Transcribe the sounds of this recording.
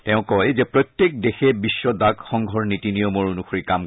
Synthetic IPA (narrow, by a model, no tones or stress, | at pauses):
tɛʊ̃kɔjzɛpɹɔt̪jek̚dexɛbiʃːɔdaɡxɔŋɡʱɔɹnitinijɔmoɹunuxoɹikam